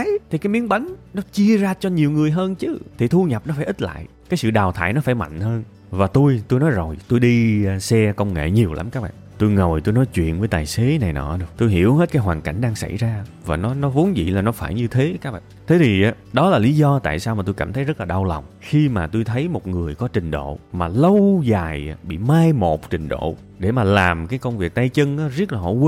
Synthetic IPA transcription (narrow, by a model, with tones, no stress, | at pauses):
jt̪ʰi˨˩kaː˨˦jmi˨˦ənɓə˨˦ŋ̟nɔ˨˦t͡ɕi˧əzaː˧t͡ɕɔ˧ɲi˨˩əwŋɨ˨˩əjɦəː˧nt͡ɕɨ˨˦t̪ʰi˨˩t̪ʰu˧ɲə˨˩p̚nɔ˨˦faː˧˩ʔi˦˥t̚la̰ː˧˨j | kaː˨˦jsɨ̰˧˨ɗaː˨˩wt̪ʰaː˧˩jnɔ˨˦faː˧˩jma̰˧˨jŋ̟həː˧n | vaː˨˩t̪u˧jt̪o˧jnɔ˨˦jzo˨˩jt̪o˧jɗi˧sɛ˧kə˧wŋ͡mŋḛ˧˨ɲi˨˩əwlʔa̰˨˦mkaː˦˥k̚ɓa̰ː˧˨t̪o˧jŋə˨˩wjt̪o˧jnɔ˨˦jt͡ɕwḭ˧˨ənvəː˨˦jt̪aː˨˩jse˨˦na˨˩jnɔ̰˧˨˩ɗɨ˨˩t̪o˧jɦḭ˧˩əwhe˦˥t̚kaː˦jɦwaː˨˩nka˧˩jŋ̟ɗaː˧ŋsa̰˧˩jzaː˧vaː˨˩nɔ˨˦nɔ˨˦vo˨˦nzḭ˧˨laː˨˩nɔ˨˦faː˧˩jɲɨ˧t̪ʰe˨˦kaː˦˥k̚ɓa̰ː˧˨t̪ʰe˨˦t̪ʰi˨˩ʔa˨˦ | ɗɔ˨˦laː˨˩li˨˦zɔ˧t̪a̰ː˧˨jsaː˧wmaː˨˩t̪o˧jkaː˧˩mt̪ʰə˨˦jzə˦˥t̚laː˨˩ɗa˧wla˨˩wŋ͡mxi˧maː˨˩t̪u˧jt̪ʰə˨˦jmo˨˩t̚ŋɨ˨˩əjkɔ˨˦t͡ɕï˨˩ŋ̟ɗo̰˧˨maː˨˩lə˧wzaː˨˩jɓḭ˧˨maː˧jmo˨˩t̚t͡ɕï˨˩ŋ̟ɗo̰˧˨ | ɗe˧˩maː˨˩laː˨˩mkaː˨˦jkə˧wŋ͡mvi˨˩ək̚t̪aː˧jt͡ɕɨ˧ŋʔaː˨˦zi˦˥ət̚laː˨˩ɔ̰˧˦w